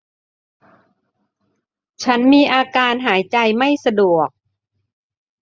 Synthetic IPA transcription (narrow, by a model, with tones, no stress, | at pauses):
t͡ɕʰa˦˥nmiː˧ʔaː˧kaː˧nɦaː˩˦jt͡ɕa˧jma˥˩jsa˧du˨˩ək̚